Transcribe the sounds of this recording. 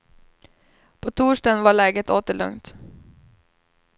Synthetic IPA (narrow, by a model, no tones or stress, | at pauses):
pʰɔt̪ʰuːʂʈanvaɭɛːɡət̪oːt̪əɭɵ̰ŋt̪